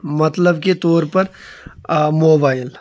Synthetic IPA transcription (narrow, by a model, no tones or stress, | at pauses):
mɐt̪ləbket̪ɔːɾpɐɾ | moːbaːɪl